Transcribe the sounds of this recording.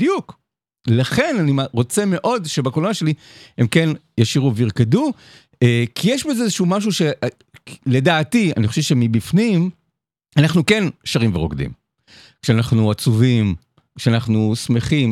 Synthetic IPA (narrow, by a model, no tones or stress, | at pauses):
djuk | laχe̞nanimʁo̞t͡seme̞ʔo̞dʃe̞bakolonaʃe̞li | he̞mke̞n | jaʃiʁuveiʁkedu | ekʰijɛʃbeezeezeʃumaʃ̬uʃe | le̞daːtia̰niχo̞ʃevʃemibifnim | anaχnuke̞nʃaʁimveʁoɡdḭm | kʃeanaχnuat͡suvim | kʃeanaχnusme̞χim